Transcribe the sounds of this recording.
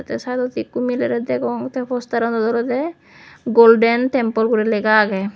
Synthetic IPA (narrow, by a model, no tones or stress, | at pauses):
t̪ɛsad̪ɔt̪ikːumilɛɾɛd̪ɛkɔŋt̪ɛpʰɔst̪aɾɔnd̪ɔd̪ɔɾɔd̪ɛ | ɡolɖɛntɛmpɔlkuɾileɡaːɡɛ